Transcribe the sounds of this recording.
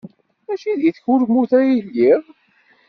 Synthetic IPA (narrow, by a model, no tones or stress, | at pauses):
æʃiðjəθçuɾɡmuθæjilːiðˤ